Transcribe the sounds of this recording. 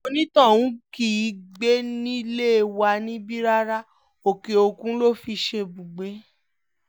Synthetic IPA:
o˧nĩ˦tɔ̃˦˨wũ˨˦ki˨˦ɡ͡be˦nĩ˦le˦e˧˨wa˧nĩ˦bi˦ɾa˦ɾa˦ | o˨ke˨˧o˧kũ˦lo˦fi˧ʃe˧bũ˨ɡ͡be˨˦

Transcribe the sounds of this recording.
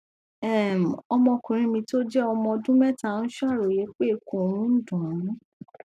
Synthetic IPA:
ɛ˦˨m̩˨ɔ˧mɔ̃˧kũ˨ɾ̃ĩ˧mĩ˧to˦d͡ʒɛ˦ɔ˧mɔ̃˧dũ˦mɛ˦ta˦ñ̩˦ʃa˦˨ɾo˨je˨˦k͡pe˦e˧ko˦˨˦ɾ̃ũ˦n̩˦dũ˨ɾĩ˨˦

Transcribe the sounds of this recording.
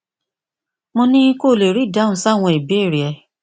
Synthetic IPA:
mõ˧nĩ˦ko˦˨le˨ɾi˨˦˨da˨˦˨ũ˨˦sa˦˨w̃ɔ̃˧i˨be˦˨ɾi˨ɛ˧

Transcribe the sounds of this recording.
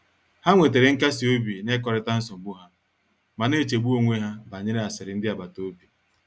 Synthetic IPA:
ha˦ŋʷe˨t̬e˨ɾɪ˨ŋ̩˦ka˦si˨o˦bi˨ne˦kɔ˨ɾɪ˦ta˦n̩˦sɔ˨m̩˨ɡ͡bu˦ɦa˦ | ma˨ne˦˨t͡ʃe˨ɡ͡bu˦o˦ŋʷe˦ɦa˦ba˨ɲɪ˦ɾɪ˦a˨sɪ˨ɾɪ˨n̩˦dɪ˦a˨ba˨to˦bi˨

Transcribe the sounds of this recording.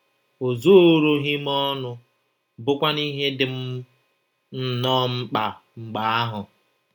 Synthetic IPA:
o˨zo˦ɾo˦ɦi˦mɔ˦nʊ˦ | bʊ˦kʷa˦ni˦ɦe˦dɪ˨m̩˦ | n̩˨nɔː˦ŋ͡m̩˦k͡pa˨ŋ͡m̩˨ɡ͡ba˨a˦ɦʊ˨

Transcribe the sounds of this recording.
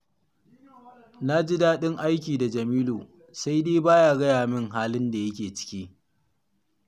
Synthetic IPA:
na˦d͡ʒi˦daː˦ɗɪ˦ŋʔa˦jk̬ʲiː˨da˨d͡ʒɐ˨miː˦luː˨ | sa˦jdeː˦baː˦jaː˦˨ɡɐ˦jaː˨mɪ˦ŋɦaː˦lɪ˦nda˨jɐ˦kʲeː˨t͡ʃɪ̥˦kʲiː˦

